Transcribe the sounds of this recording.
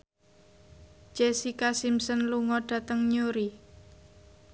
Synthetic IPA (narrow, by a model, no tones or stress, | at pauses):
d͡ʒesikasimsənluŋɔɖ̥ä̤t̪əŋɲoɾi